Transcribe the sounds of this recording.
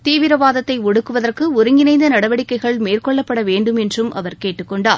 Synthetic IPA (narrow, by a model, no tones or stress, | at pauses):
t̪iːʋɪɾɐʋaːðɐt̪ːɐɪɔɽɯkːɯʋɐðɐrkɯʊɾɯŋɡɪnɐɪnd̪ɐnɐɽɐʋɐɽɪkːɐɪɣɐɭmeːrkɔɭːɐpːɐɽɐʋeːɳɖɯmɛndrɯmʔɐ̰ʋɐɾkeːʈːɯkːɔɳɖaː